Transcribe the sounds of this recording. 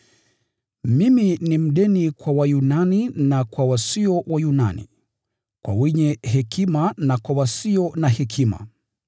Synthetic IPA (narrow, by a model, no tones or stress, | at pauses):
miminim̩ɗɛnikwawajunaninakwawasiɔwajuna̰nḭ | kwa̰wɛɲɛɦɛkimanakwawasiɔnahɛkʰima̰